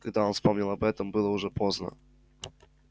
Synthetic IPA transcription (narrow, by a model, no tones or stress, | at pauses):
kɐɡ̚d̪aonfspomnʲɛlˠɐbɛt̪əmbɨlˠəʊʐɛpoznə̰